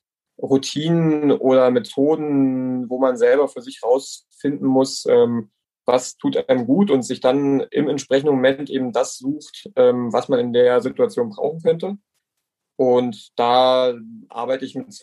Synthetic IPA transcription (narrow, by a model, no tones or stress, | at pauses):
ʁutʰiːnənʔoːɾɐmetʰoːdn̩voːmanzɛlbɐfyːɐzɪçʁaʊs | fɪndn̩mʊsʔɛːm | vastʰuːtʔaɪnəmɡuːtʊntz̥ɪçd̥anʔɪ̰mɛntʃpʁ̥ɛç̬n̩dəmomɛntʔeːbm̩dasz̥uːxtʔɛːmvasmanɪndeːɐzɪtuat͡sjoːnbʁa̰ʊxn̩kʰœntə | ʔʊntd̥aːʔa̰ɐbaɪtəɪçmɪt